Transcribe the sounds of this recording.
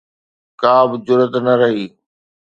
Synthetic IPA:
kaːbɪd͡ʑʊɾət̪nɐɾɐɦiː

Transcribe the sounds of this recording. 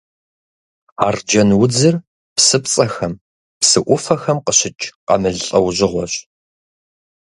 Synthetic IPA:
aːrd͡ʒɐnwʊd͡zɨr | psɨpt͡sʼɐxɐm | psɨʔʷʊfɐxɐmqəɕɪt͡ʃʼqɐ̰mɨɮɬʼɐwʑɪʁʷɔɕ

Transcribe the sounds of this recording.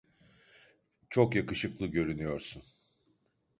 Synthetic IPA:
t͡ʃʰo̞kjakɯʃɯklˠɯɟø̞ɾynyjo̞ɾsun

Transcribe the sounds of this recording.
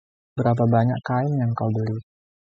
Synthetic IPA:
bəɾap̬abaɲaʔkkaɪmjaŋkawbəli

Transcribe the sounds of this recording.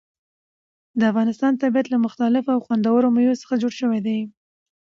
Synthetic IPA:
d̪əafɣɑnɪst̪ɑnt̪abijat̪lamʊxt̪alɪfoawxwand̪awəɾomajosə̥xad͡ʒoɽʃəwed̪aj

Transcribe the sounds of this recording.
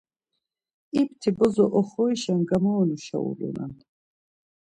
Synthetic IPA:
ipt̪ʰibɔzɔʔɔχɔiʃanɡamɔːnuʃa̰ṵlɔ̰na̰n

